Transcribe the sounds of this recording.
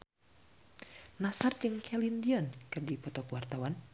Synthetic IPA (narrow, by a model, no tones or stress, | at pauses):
nasard͡ʒɨŋkʰɛlindiɔnkɨrdipɔt̪ɔkwart̪awan